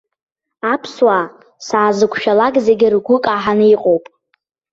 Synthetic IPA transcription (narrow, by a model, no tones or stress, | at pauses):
apʰswa | saːzɨkʷʰʃᶣalakʼze̞ɡʲɪrɡʷʊkʼaħanɨiqʼowpʼ